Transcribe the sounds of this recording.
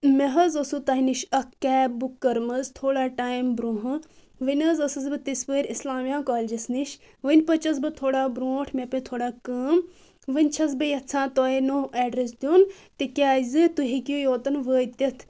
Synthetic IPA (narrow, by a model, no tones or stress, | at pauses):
meɦɐzɐsut̪ɐːɦiniʃɐkːɛːbukːɐɾmɐzt̪ʰoːɽaːʈaːjimbɾoɦɨ | ʋɨnʲɐzɐsɐzbɨt̪ispəːɾʲislaːmjãːkaːlʲd͡ʒɐsniʃ | ʋɨnʲpɐt͡ʃɐs̬bɨt̪ʰoːɽaːbɾoːʈʰmepet̪ʰoːɽaːkɐm | ʋɨnʲt͡ʃʰɐs̬bɨjɐt͡sʰãːt̪oːenoɛːɖɾes̬d̪ʲjoːn | t̪ikʲaːzɨt̪uɦikijujoːt̪ɐnʋəːjt̪ʲɐt̪ʰ